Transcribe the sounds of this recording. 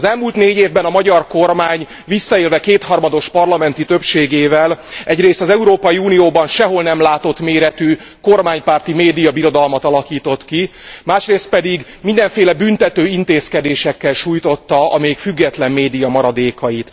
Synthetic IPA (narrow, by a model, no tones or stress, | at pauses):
ɒzɛlmuːlt̪neːɟeːvbɛnɒmɒɟɒrko̞rmaːɲ | visːɒeːlvɛkeːt̪hɒrmɒd̪o̞ʃpɒrlɒmɛnt̪it̪ø̞pʃeːɡeːvɛlɛɟreːst̪ɒzɛuɾoːpɒjiuːnijoːbɒnʃɛɦo̞lnɛmlaːt̪o̞t̪meːɾɛt̪y | ko̞rmaːɲpaːrt̪imeːd̪ijɒbiɾo̞d̪ɒlmɒt̪ɒlɒkiːt̪o̞t̪kimaːʃreːst̪̚pɛd̪iɡmind̪ɛɱfeːlɛbynt̪ɛt̪øːint̪eːskɛd̪eːʃɛkːɛlʃuːjt̪o̞t̪ːɒɒ̰meːkfyɡːɛt̪lɛmːeːd̪ijɒmɒɾɒd̪eːkɒjit̪